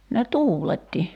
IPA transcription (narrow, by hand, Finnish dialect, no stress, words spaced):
ne tuːletːi